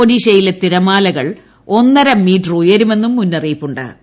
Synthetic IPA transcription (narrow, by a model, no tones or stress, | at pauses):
oɖiːʂɐjilet̪iɾɐmaːlɐɣɐɭ | o̞nːɐɾɐmːiːʈrujɐɾume̞nːumːunːɐrijpːuɳɖɨ̰